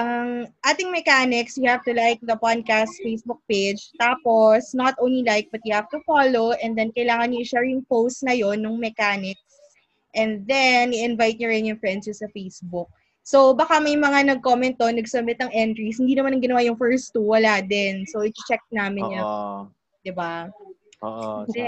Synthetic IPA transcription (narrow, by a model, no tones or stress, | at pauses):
ʔɐŋʔaːt̪ɪŋmɛkaːnɪksjʊhavt̪ʊlajk̚d̪ɐpad̪̚kast̪fejsbʊk̚pejd͡ʒt̪aːposnɐt̪ʔõw̃nlilajk̚bɐt̪̚jʊhav̥t̪ʊfaloʔɛnd̪ɛnkɐjlaːŋɐnʊʔɪʃɛɹjʊŋpowst̪̚nɐjonːʊŋmɛkaːnɪk̚s | ʔɛnd̪ɛnʔɪʔɪnvajt̪̚ɲʊɾɪnjʊŋfɹɛnd̪sjʊsɐfejsbʊk̚ | sowbɐkamɐjmɐŋanɐɡ̚komɛnt̪̚ːonɐɡsɐmɪt̪̚ɐŋʔɛnt̪ɹishɪnd̪iːnɐmanɐŋɡɪnɐwaːjʊŋfɛɹst̪uwɐlaːd̪ɪnsoɪt͡ʃɛk̚naːmɪnjɐ | d̪̥ɪba | ɛ